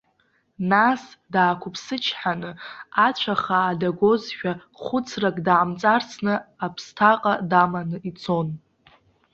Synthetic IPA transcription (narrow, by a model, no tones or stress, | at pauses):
nasdaːkʷʰʊpʰsɨt͡ʃʰħanɨat͡ɕʷʰaχaːdaɡʷo̞zʃᶣa | χʷʊt͡sʰrakʼdaʕamt͡sʼart͡sʰnɨapʰstʰaqʼadamanɨit͡sʰo̞n